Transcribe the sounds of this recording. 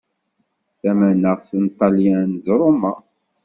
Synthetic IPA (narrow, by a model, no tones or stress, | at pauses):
θæmænəʁθint̪ˤːɑljænzɾˤomːa